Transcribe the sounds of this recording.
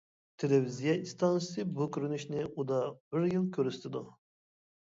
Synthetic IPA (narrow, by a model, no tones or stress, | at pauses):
t̪ʰelevizijɑist̪ʰɑnɨsɨbukʲyɾynyʃnɪud̪ɑbɪɾjilˠkʲʰøɾyst̪ʰɪd̪u